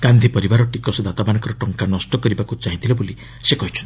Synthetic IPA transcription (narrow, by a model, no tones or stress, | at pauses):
ɡ̥and̪ʱipɔɾibaɾɔʈikɔsed̪at̪abanɔŋkɔɾɔʈɔŋkanɔsʈɔkɔɾibakut͡ʃaɦit̪ʰilɔboli | sekɔɦit͡ʃʰɔnt̪